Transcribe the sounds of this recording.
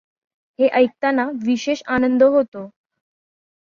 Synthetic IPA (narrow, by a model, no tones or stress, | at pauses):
heʔəjk̚t̪anaʋiɕeɕanənd̪əɦot̪o